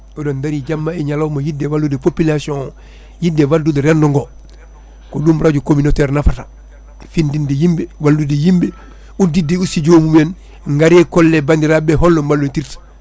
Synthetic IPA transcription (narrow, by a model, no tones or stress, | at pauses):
odondaɾiɟamːaeɲalomajidːewaludepopilasiõ | jidewaldudeɾendoŋɡo | kudumɾaɟukominoteɾnafata | findindijimbewaldudejimbe | udideusiɟoːmumen | ŋɡaɾekolːebandiɾabeɦolːombalːontiɾt